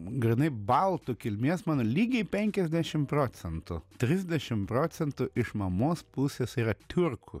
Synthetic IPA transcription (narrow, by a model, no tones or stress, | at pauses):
ɡɾʲɪnɐɪbɐlˠt̪ʊkʲɪlʲmʲiɛsmɑːnoːlʲiːɡʲɛɪpʲɛŋʲkʲɛzʲd̪ʲæʃʲɪmpɾoːt̪sʲɛnt̪ʊ̰t̪ʲɾʲɪzʲd̪ʲɛʃʲɪmpɾoːt̪sʲɛnt̪ʊʔɪʃmɐmoːspʊsʲesiːɾɐt̪ʲʊrkʰʊ